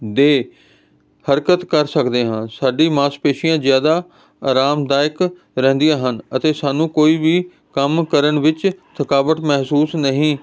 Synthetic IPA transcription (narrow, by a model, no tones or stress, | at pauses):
d̪eː | həɾkət̪kəɾsəkd̪eːɦãːsaːɖiːmaːspeːʃɪjãːzɪjaːd̪aː | aːɾaːmd̪aːɪk | ɾɛ̃ːnd̪ijãːɦənət̪eːsaːnũːkoːiːbiː | kəmkəɾəɳʋɪt͡ʃt̪ʰəkaːʋət̪mɛɦsuːsnəɦĩː